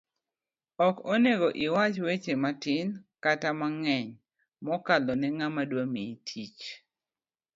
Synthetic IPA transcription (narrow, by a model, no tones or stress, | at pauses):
ɔkoneɡoʔɪwat͡ʃwet͡ʃematɪnkatamaŋɛɲ | mɔkalɔnɛŋamadwamitʰit͡ʃ